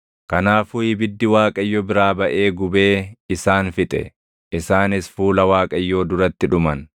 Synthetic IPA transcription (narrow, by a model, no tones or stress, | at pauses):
kɐnaːfʊjɪbɪd̪ːɪwaːkʼɐjːɔbɪɾaːbɐʔe̞ːɡʊbe̞ːɪsaːnfɪt̪ʼɛ̰ | ɪsaːnɪsfuːlɐwaːkʼɐjːoːd̪ʊɾɐt̪ːɪᶑʊmɐn